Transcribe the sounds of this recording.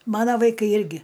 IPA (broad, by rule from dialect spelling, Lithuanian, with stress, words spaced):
ˈmɑːnɐ ʋɐɪˈkɐɪ ˈɪrʲɡʲɪ